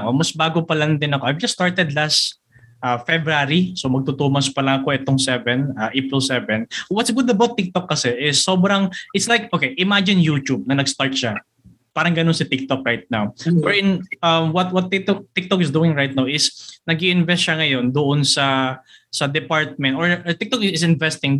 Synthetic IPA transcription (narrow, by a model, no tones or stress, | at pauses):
ʔomɐsbaːɡopɐlɐnd̪ɪnɐkoʔajvd͡ʒɐsːt̪aɹt̪ɛd̪las | ʔafɛbɾaɾisomɐɡ̚t̪ʊt̪uːmɐspɐlɐɐko̞ʔɛt̪oŋsɛvɛnaʔepɹɪlsɛvɛnwɐt̪sɡʊd̪ɐbawt̪ːɪk̚t̪okːɐsɛʔɪsːo̞ːbɾɐŋʔɪt̪slajk̚ʔokejʔɪmad͡ʒɪnjuːt͡ʃub̚nɐnɐɡst̪aɹt̪̚ʃa | paːɾɐŋɡɐnonsɐt̪ɪk̚t̪ok̚ɹajt̪̚nawbɛɹʔɪnʔɐmwɐt̪̚wɐt̪ːɪk̚t̪ok̚t̪ːɪk̚t̪okɪsd̪uːɪŋɹajt̪̚nawɪsnɐɡiʔɪnvɛst̪̚ʃɐŋɐjo̞nd̪ʊʔonsɐsɐd̪ɛpaɹt̪̚mɛnt̪ʔoɹt̪ɪk̚t̪okɪɪsɪnvɛst̪ɪŋ